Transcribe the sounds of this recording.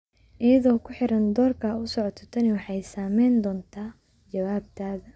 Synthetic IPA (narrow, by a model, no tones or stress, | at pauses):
ʔɪjɐðɔːkʰʊħɪɾɐnd̪ɔːrkʰɐʊsɔʕɔt̪ʰɔ̥t̪ʰɐnɪwɑħɑjsaːmɛjnd̪ɔːnt̪ʰaː | t͡ʃɐwaːb̚t̪ʰaːðɐ